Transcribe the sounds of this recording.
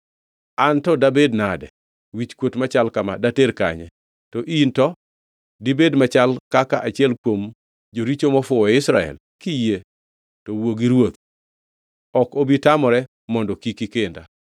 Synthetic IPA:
antɔdabednadɛ | wit͡ʃkwotmat͡ʃalkama̰dateɾka̰ɲɛ̰ | tɔʔintɔ | dibedmat͡ʃalkakaʔat͡ʃɪɛlkwom | d͡ʒoɾit͡ʃomɔfʊɔɪsɾaɛ̰l | kije | tɔwoɡiɾwot̪̚ | ɔkobitamɔɾɛ | mɔndɔkikikenda

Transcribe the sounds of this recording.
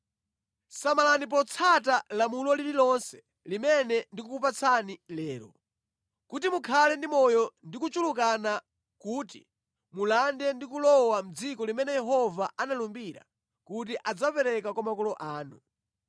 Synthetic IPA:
samalanip̬ɔt͡sʰatalamulɔlililɔnsɛ̥ | limɛnɛndikukupat͡sʰanilɛːɾɔ̰ | kutimukʰalɛndimɔjɔndikut͡ʃuluk̬ana | kuːtḭ | mulandɛndikulɔwam̩d͡zikɔlimɛnɛjɛɦɔvaʔanalumbiɾa̰ | kut̬iʔad͡zapɛɾɛkakwamakɔlɔʔaːnṵ

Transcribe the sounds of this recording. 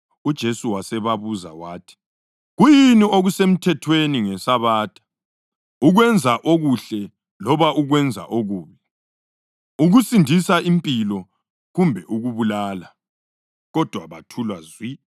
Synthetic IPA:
ud̥ʒ̥ʱesuwasɛβaβuza̰waːtʰi̥ | ɣujinioɣusem̩tʰɛtʰweniŋɛsaβaːtʰʼḁ | uɣwɛnd͡zʱaʔoɣuɬɛ | lɔβaʔuɣwɛnd͡zʱa̰ʔoɣuːβi | uɣusindʱisaimpʼilɔ | ɣumbʱɛʔuɣuβulaːla | ɣɔd̥ʱwaβatʰulwazwi

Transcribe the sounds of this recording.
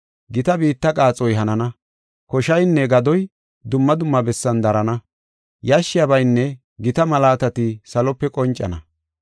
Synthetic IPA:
ɡɪt̪ɐbiːt̪ːɐkʼaːt͡sʼɔjɦɐnɐnɐ | kɔʃɐjnːɛɡɐd̪ɔj | d̪ʊmːɐd̪ʊmːɐbɛsːɐnd̪ɐɾɐnɐ | jaʃːɪjɐbɐjnːɛ | ɡɪt̪ɐmɐlaːt̪ɐt̪ɪsɐlɔpːɛkʼɔnt͡ʃʼːɐ̰nɐ

